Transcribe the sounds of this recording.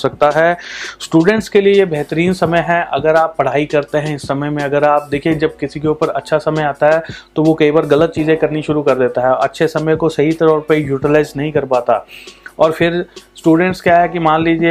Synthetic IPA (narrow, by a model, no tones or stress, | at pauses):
sɐk̚t̪aɦɛːsʈuːɖə̃ɳʈskeliejebʱɛɦt̪əɾiːnsɐməjɦɛ̃ʔɐ̰ɡəɾaːpːɐɽ̤aːikɐɾt̪eɦɛ̃ɪsːɐməjmẽɐɡəɾaːp̚d̪eːkʰied͡ʒɐb̚kɪsikeuːpəɾɐ̰tːʃʰasɐməjaːt̪aɦɛt̪oʋokɐibaɾɡɐlət̪̚t͡ʃiːzẽkɐɾniʃʊɾukɐɾd̪eːt̪aɦɛɐ̰tːʃʰesɐməjkosɐɦit̪ɐɾəfpejuːʈɪlaːɪznɐɦĩkɐɾpaːt̪a̰ɔːɾfʰɪɾsʈuːɖə̃ɳʈskjaɦɛkimaːnliːd͡ʒie